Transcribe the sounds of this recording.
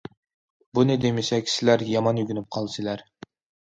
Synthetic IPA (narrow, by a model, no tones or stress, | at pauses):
bunɪd̪emɪsɛkʲsɪlæɾjɑmɑnjyɡʲynyp̚qʰɑlˠsɪlæɾ